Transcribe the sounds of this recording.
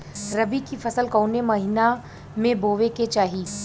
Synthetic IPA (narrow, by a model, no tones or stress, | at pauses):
ɾɐbikifʰɐsəlkoːnemɐɦɪna | mẽboːʋeket͡ʃaːɦi